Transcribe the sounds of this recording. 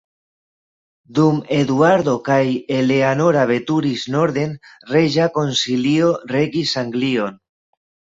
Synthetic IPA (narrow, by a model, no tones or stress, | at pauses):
d̪ume̞d̪uaɾd̪o̞kajele̞anoɾaβe̞t̪uɾisno̞ɾðe̞nreʒako̞nsilio̞re̞ɡisaŋɡlio̞n